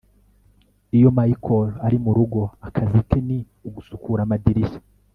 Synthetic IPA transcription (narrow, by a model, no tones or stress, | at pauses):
ijo̞maikʰolaɾimuɾuɡo̞akʰazitʰeni | uɡusukuɾamadiɾiʃe̥